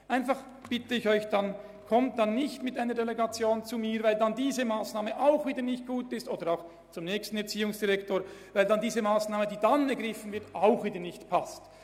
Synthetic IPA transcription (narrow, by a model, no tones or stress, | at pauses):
ʔaɪnfaχ | b̥ɪtəɪçɔʏçd̥an | kʰɔmt̚d̥anːɪçtmɪtaɪnəɾdeleɡɑt͡sjoːnt͡sumiːɾvaɪldandiːzəmaːsnaːməʔaʊxviːdənɪçt̚ɡ̥uːtɪstoːd̥əɾaʊx | t͡sʊmnɛːçstn̩ɛɐt͡siːʊŋsd̥iʁɛktoːɐɾvaɪldandiːzəmaːsnaːmədiːdanɛɐɡʁɪfən̩vɪɐtaʊxviːdənɪçtpʰast